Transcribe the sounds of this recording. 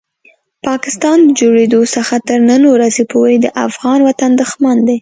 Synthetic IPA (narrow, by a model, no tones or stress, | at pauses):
pɑkɪst̪ɑnd̪əd͡ʒoɽed̪osəxat̪əɾnənoɾazepoɾed̪əʔa̰fɣɑnwat̪and̪əxmand̪e